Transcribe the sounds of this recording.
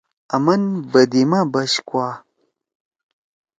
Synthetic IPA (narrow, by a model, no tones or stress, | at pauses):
ɐmɐnbɐd̪imabɐɕkwa